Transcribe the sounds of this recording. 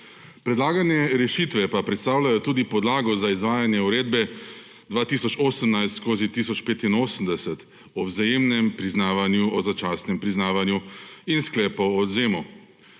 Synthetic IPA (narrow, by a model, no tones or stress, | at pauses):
pɾɛd̪laːɡanjɛɾɛʃit̪ʋɛpapɾɛt̪st̪aːwlajɔt̪uːd̪ipɔd̪laːɡɔzaizʋaːjanjɛuɾeːd̪bɛ | d̪ʋaːt̪iːsɔt͡ʃoːsəmnajst̪skoːzit̪isɔt͡ʃpeːt̪inoːsəmd̪ɛsɛt̪ | ɔwzajeːmnɛmpɾiznaːʋanjuɔzat͡ʃaːsnɛmpɾiznaːʋanjuinsklɛːpɔːzeːmɔ